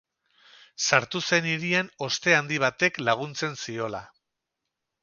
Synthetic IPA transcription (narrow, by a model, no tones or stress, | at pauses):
saɾt̪use̞niɾiano̞st̪e̞and̪iβ̞at̪e̞klaɣ̞unt͡se̞nsio̞la